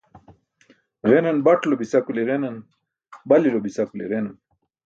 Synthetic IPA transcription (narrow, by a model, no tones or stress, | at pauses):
ʁenɐnbaʈlobisakuleʁenan | balilobisakuleʁenan